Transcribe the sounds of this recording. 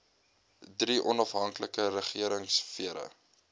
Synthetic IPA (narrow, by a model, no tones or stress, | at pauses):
driʔɔnɐfɦɐŋkləkəɾəχiəɾəŋsfiəɾə̰